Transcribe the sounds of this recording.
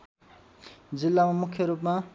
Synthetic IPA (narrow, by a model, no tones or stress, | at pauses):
d͡zilːamamukʰːjʌɾupma